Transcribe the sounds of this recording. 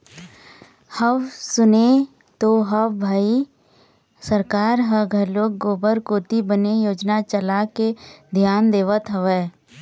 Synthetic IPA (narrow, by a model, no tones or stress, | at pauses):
həʋsʊne | t̪oɦəbʱaːi | səɾkaːɾɦəɡʱəloːkɡoːbəɾkoːt̪ibənejoːd͡ʒnat͡ʃəlaked̪ʱjaːnd̪eːʋət̪ɦəʋɛː